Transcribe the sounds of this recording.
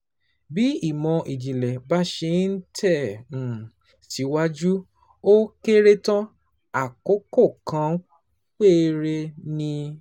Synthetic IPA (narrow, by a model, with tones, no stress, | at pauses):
bi˨˦i˦˨mɔ̃˧ʔi˨d͡ʒi˨lɛ˨ba˨˦ʃe˧˦n̩˦tʰɛ̃˦˨ | ti˨˦wa˦d͡ʒu˦ | o˦ke˦ɾe˦tã˦ | a˨ko˨˦ko˦˨kã˨˦ | k͡pe˦˨˧ɾe˧nĩ˧